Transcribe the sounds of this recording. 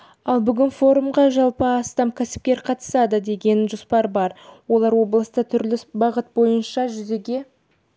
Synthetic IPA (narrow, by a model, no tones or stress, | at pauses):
ɑlˠbʏɡʲɪnfo̞ɾumʁɑʒɑlˠpəɑst̪ɑmkʲʰæsɪ̥p̚kʲe̞ɾqʰɑt̪ə̥sɑd̪əd̪e̞ɡʲe̞nʒospɑɾbɑɾwo̞lˠɑɾwo̞blˠəst̪ət̪ʰʏɾlɪbɑʁət̪̚bo̞jənʃɑʒʏze̞ɡʲe̞